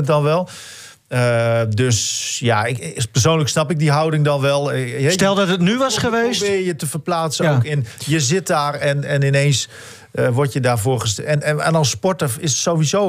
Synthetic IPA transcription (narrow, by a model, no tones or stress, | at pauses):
ət̚dɔnʋɛlˠ | ədøsjaɪpərs̬oːnləksnapɪk̚diɦawdɪŋdɔnʋɛlˠɦɛstɛlˠdɔtətnyʋɑsχəʋeːsbɪjətəfərplaːtsəowkɪnjəzɪt̚daːrɛnɛnɪnens | əʋɔrtjədaːrvʊːrχəsɛna̰nɔspɔtəfɪssoːʋizo